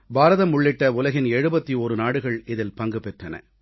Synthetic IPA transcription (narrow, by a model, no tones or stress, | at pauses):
baːɾɐðɐmʊɭːɪʈːɐʊlɐɣɪnɛɻɯbɐt̪ːioːɾɯnaːɽɯɣɐɭɪðɪlpɐŋɡɯpɛʈːɐnɐ̰